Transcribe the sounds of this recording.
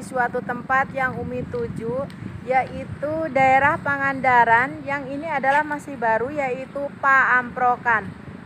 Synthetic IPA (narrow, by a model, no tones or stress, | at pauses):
isuat̪ut̪əmpat̪̚jaŋumit̪ud͡ʒujaʔit̪udaeɾahpaŋandaɾanjaŋiniadalahmasɪhbaɾujait̪upaːmpɾokan